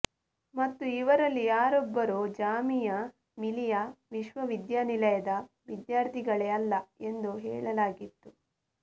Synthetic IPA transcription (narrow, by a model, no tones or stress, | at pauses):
mɐt̪ːuiʋɐɾɐlːijaːɾɔbːɐɾoːd͡ʒaːmijɐ | milijɐʋiʃʋɐʋid̪jaːnilɐjɐd̪ɐ | ʋid̪jaːɾt̪ʰiɡɐɭeːɐlːɐe̞nd̪uɦɛ̰ːɭɐlaːɡit̪ːu